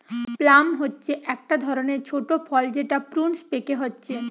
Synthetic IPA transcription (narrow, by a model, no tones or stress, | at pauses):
plamɦotːɕʰeʔɛk̚ʈad̪ʱɔɾoneɾt͡ɕʰoʈopʰɔld͡ʑeʈapɾunspekeɦotːɕʰe